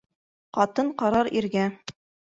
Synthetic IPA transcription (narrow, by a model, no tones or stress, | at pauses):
qɑt̪ɤɴqɑɾɑɾiɾɡæ